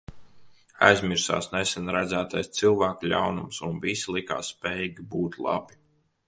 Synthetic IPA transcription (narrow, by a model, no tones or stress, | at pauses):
a̰jzmʲiɾsa̰ːsnesɛnɾæd̪zæːt̪ajst̪silˠvæːklʲa̰wnumsunvisilˠika̰ːsːpɛːjiɡʲibuːt̪lˠa̰bi̥